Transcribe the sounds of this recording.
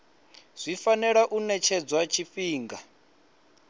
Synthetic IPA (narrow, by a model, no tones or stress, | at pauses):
z̥ʷifanɛɺaʔunɛt͡ʃʰɛd͡zwat͡ʃʰifiːŋɡa